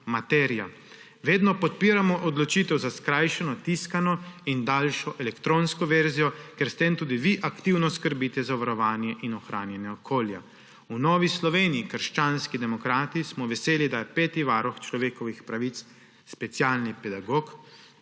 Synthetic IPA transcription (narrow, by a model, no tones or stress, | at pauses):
mat̪ɛɾija | ʋeːd̪nɔpɔt̪̚piːɾamɔʔɔd̪lɔt͡ʃit̪ɛwzaskɾaːjʃɛnɔt̪iskanɔind̪aːlʃɔʔɛlɛkt̪ɾonskɔʋɛɾzijɔkɛɾst̪emt̪uːd̪iʋiʔakt̪iwnɔskəɾbiːt̪ɛzaʋaɾɔʋaːnjɛʔinɔxɾaːnjɛnjɛɔkʰoːlja̰ | unɔːʋislɔʋeːniikəɾʃt͡ʃaːnskid̪ɛmɔkɾaːt̪ismɔʋɛseːlid̪ajɛpɛːt̪iʋaɾɔxt͡ʃlɔʋeːkɔʋixpɾaʋit̪s | spɛt̪sjaːlnipɛd̪aɡok